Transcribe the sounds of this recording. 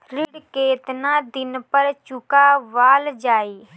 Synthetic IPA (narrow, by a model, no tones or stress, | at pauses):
ɾɪɽkeːt̪nad̪ɪnpəɾt͡ʃʊkaʋaːld͡ʒaːiː